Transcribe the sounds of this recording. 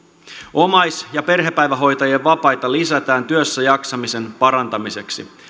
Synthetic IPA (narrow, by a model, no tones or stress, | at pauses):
o̞mɑjsjɑpe̞rɦe̞pæjʋæɦo̞jt̪ɑjeʋːɑpɑjt̪ɑlisæt̪æːnt̪yøsːæjɑksɑmise̞npɑɾɑnt̪ɑmise̞ksi